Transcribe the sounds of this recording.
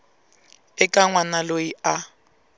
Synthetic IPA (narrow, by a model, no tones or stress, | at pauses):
pɛkʼaŋwanaloia